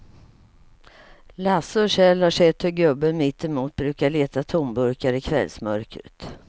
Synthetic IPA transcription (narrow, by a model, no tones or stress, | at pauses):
lasʊʂɛlhaʂɛt̪hɵɾɡɵbːənmɪt̪ːɪmuːt̪̚bɾʉ̟ːkaɭeːt̪at̪ʰʊmbɵɾkaɾɪkʰvɛ̰lsmœ̰ɾkɾə̰t̪